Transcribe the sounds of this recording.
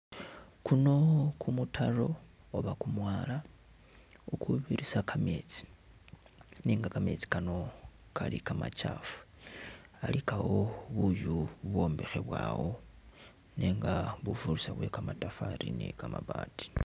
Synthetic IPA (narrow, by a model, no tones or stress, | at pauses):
kuno̞kʰumutʰaro̞ | oβakumwaːla | ukuβiɾisakamet͡si̥ | niːŋɡakame̞t͡si̥kano̞ | kʰalikama̰t͡ʃafu̥ | alikawo̞βuʒuβwo̞ːmbe̞xe̞βwaːwo | neːŋɡaβufuɾusaβwe̞kamatafaɾinekamaβaːti̥